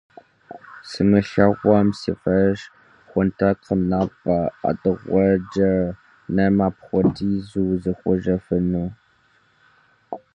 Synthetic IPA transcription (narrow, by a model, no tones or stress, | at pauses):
sɨmɨɬɐʁʷɐmsḭfɐʒ | χʷʊntʰɐqənapɐa̰dɨʁʷɔd͡ʒɐ | nɐmaːpχʷɔtʰiːzuwzɨχʷʊʒɐfɨnuː